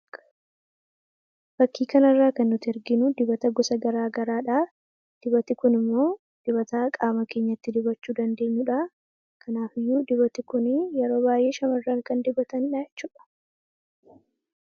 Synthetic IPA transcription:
b̥ɐkːiːkɐnɐrːaːkɐnːʊt̪ɪɛɾɡɪnʊd̪ɪbɐt̪ɐɡɔsɐɡɐɾaːɡɐɾaːᶑaː | d̪̥ɪbɐt̪ɪkʊnɪmːo̞ː | d̪̥ɪβɐt̪aːkʼaːmɐke̞ːɲːɐt̪ːɪd̪ɪbɐt͡ʃːuːd̪ɐnd̪e̞ːɲːuːᶑaː | kʰɐnaːfɪjːuːd̪ɪbɐt̪ɪkʊnɪjɛɾo̞ːbaːjʔeːʃɐmɐrːaːŋkɐnd̪ɪbɐt̪ɐnɪᶑaɛt͡ʃːuːᶑɐ̥

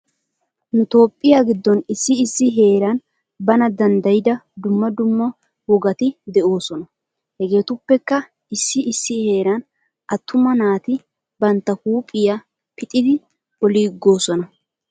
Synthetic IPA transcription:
nʊt̪o̞ːpʼːɪjaːɡɪd̪ːɔnɪsːɪːsːɪɦe̞ːɾɐn | bɐnɐd̪ɐnd̪ɐjɪd̪ɐd̪ʊmːɐd̪ʊmːɐ | wɔɡɐt̪ɪd̪ɛʔo̞ːsɔnɐ | hɛɡe̞ːt̪ʊpːɛkːɐ | ɪsːɪʔɪsːɪhe̞ːɾɐn | ʔɐt̪ʰːʊmɐnaːt̪ɪ | bɐnt̪ːɐkuːpʼɪja | pɪt̪ʼɪd̪ɪ | ɔliːɡːo̞ːsɔnɐ

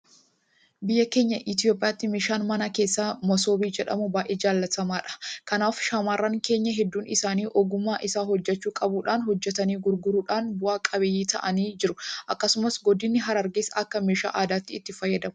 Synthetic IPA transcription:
bɪjːɐke̞ːɲːɐʔɪt̪̬ɪjo̞ːpʼɪjaːt̪ːɪmeːʃaːnmɐnɐke̞ːsːaːmɔso̞ːbiːd͡ʒɛᶑɐ̰mʊbaːjʔeːd͡ʒaːlːɐt̪ɐmaːᶑɐ̥kɐnaːfʃamaːrːɐŋke̞ːɲːɐɦɛd̪ːuːnɪsaːniːʔɔɡʊmːaːʔɪsaːhɔd͡ʒːɛt͡ʃːuːkʼɐbuːᶑaːnhɔd͡ʒːɛt̪ɐniːɡʊɾɡʊɾuːᶑaːnbʊʔaːkʼɐbjiːt̪ɐ̰ʔɐniːd͡ʒɪɾʊʔɐkːɐsʊmɐsɡɔd̪ɪnːɪɦɐɾɐɾɡeːsɐkːɐmeːʃa̰ːʔaːd̪aːt̪ːɪːt̪ːɪfɐjːɐd̪ɐmʊ̥

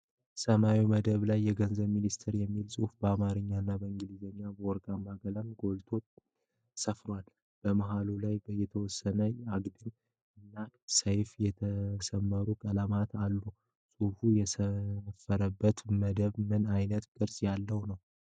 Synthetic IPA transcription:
səmawiməd̪əβlajːɛɡənzəβminist̪ʰɨɾjɛmːilsʼufbəamaɾɨɲːanːabəɨŋɡɨlizəɲːabəwɔɾkʼamːaɡələmɡo̞lt̪ʰo̞ | səfɾwal | b̥əmaɦalulajbəjːɛt̪ʰəwɔsːənəjɛaɡd̪ɨn | ɨnːasəjfjɛt̪ʰəsəmːəɾukʼəlamat̪ʰalːu | sʼufujɛsəfəɾəbːət̪məd̪əβmɨnajnət̪kʼɨɾsʼjalːəwnəw

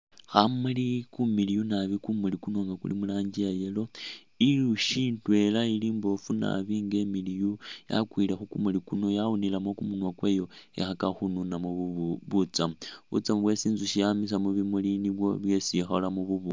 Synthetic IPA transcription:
xamulikumilijunaβikumulikuno̞ŋɡakṵlḭmulaːɲɟiajelo̞ | iluʃintwe̞lailiːmbo̞funa̰βiŋɡe̞milijuja̰kwilexukumulikuno̞jaunilamo̞kumunwakweːjo̞ḛxakaxununamuβut͡samuβṵt͡samuβwe̞siːnzuʃijamis̬amuβimuliniβwo̞βje̞sixolamuβuβu

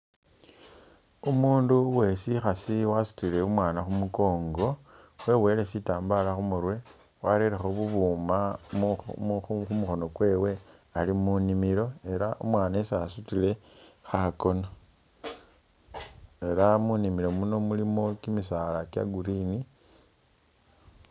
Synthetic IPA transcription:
umuːnduwe̞sixasiwasu̥tile̞umwaːnaxumuko̞ːŋɡo̞ | we̞we̞le̞sitaːmbalaxumuɾwe̞ | waɾeɾexoβuβuːmammuxumuxo̞no̞kwe̞ːwe̞alimunimilo̞e̞ɾaumwaːnaesasutile̞xako̞no | e̞ɾamunimilo̞muno̞mulimo̞kimisalakja̰ɡuɾini

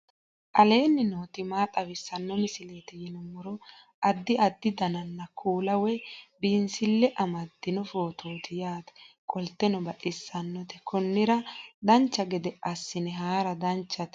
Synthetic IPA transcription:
ʔɐle̞ːnːɪnoːt̪ɪmaːt̪ʼɐβɪsːɐnːɔmɪsɪleːt̪ɛjɪnɔmɔɾɔ | ʔɐd̪ːɪɐd̪ːɪd̪ɐnɐnːɐkʰuːlɐwɛbiːnsɪlːɛʔɐmɐd̪ːɪnɔfo̞ːt̪ʰoːt̪ɪjaːt̪ɛ̥kʼɔlt̪ːɛnɔbɐʔɪsːɐnːɔt̪ɛ̥kɔnːɪɾɐd̪ɐnt͡ʃːɐɡɛd̪ɛʔɐsːɪnɛɦaːɾɐd̪ɐnt͡ʃːɐt̪

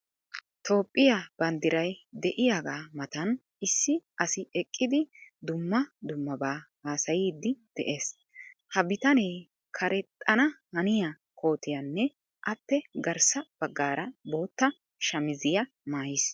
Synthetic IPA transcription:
t̪ʰo̞ːpʼːɪjab̥ɐnd̪ɪɾɐjd̪ɛʔɪjaːɡaːmɐt̪ɐn | ɪsːɪʔɐsɪɛkʼːɪd̪ɪd̪ʊmːɐd̪ʊmːɐbaːhaːsɐjiːd̪ːɪd̪̥ɛʔe̞ːs | hɐbɪt̪ɐneː | kʰɐɾɛt̪ʼːɐnɐhɐnɪja | kʰo̞ːt̪ɪjɐnːɛ | ʔɐpːɛɡɐɾsɐb̥ɐɡːaːɾɐbo̞ːt̪ːɐ | ʃɐmɪzɪjɐ | maːjɪs

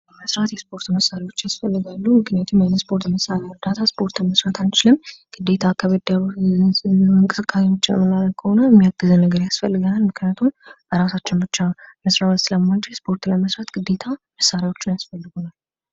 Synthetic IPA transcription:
əməsɾat̪jɛspo̞ɾt̪məsːaɾiwo̞t͡ʃːjasfəlːɨɡalːumɨknijat̪ʰumjajnəspʰo̞ɾt̪məsaɾaɾd̪at̪ʰaspʰo̞ɾt̪ʰməsɾat̪ʰant͡ʃɪlɨmɡ̥ɨd̪ːe̞t̪ʰakʰəβəd̪a | ɨŋkʼɨsɨkʼːasewot͡ʃːɪjɛ̰mːənːaləkʰːəho̞nəjɛmːijaɡ̥ːɨzənnːəɡəɾjasfəlːɨɡanalmɨkʰnijat̪ʰum | əɾasat͡ʃːɪnbɨt͡ʃːaməsɾawsɨləmːant͡ʃʰɛjspʰo̞ɾt̪lməsɾat̪ɡ̥ɨd̪ːe̞t̪ʰaməsːaɾjawo̞t͡ʃːɪnjasfəlːɨɡonal

